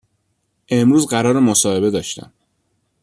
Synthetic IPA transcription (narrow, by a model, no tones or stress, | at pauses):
ʔe̞mɾuːzɢæɾɒːɾemosɒːhe̞be̞d̪ɒːʃt̪æ̰m